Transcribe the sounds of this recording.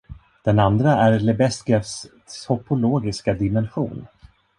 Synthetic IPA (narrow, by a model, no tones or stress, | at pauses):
d̪̥ɛnand̪ɾaæɾlɛbɛsɡɛfs | hɔpʰʊloːɡɪskad̪ɪmɛnɧṵːn